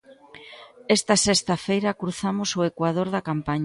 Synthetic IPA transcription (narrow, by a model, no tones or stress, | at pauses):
ɛst̪ɐsɛst̪ɐfejɾɐkɾuθamosoekwað̞oɾðɐkampaɲ